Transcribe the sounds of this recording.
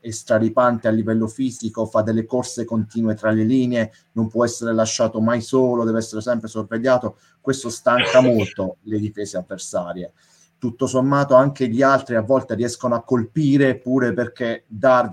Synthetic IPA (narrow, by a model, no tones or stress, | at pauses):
est̪ɾaɾipant̪ealːivɛlːofiːzikofad̪ːelːekorsekont̪iːnwet̪ɾaleliːnee | nompwɔɛsːeɾelaʃːaːt̪omajsoːlod̪ɛːvɛsːeɾesɛmpɾesorveʎːaːt̪o | kwest̪ost̪aŋkamolt̪oled̪ifɛːzeavːersaːɾje | t̪ut̪ːosomːaːt̪oaŋk̟eʎialt̪ɾiavːɔlt̪eriɛskonoakːolpiːɾepuːɾeperk̟ed̪ar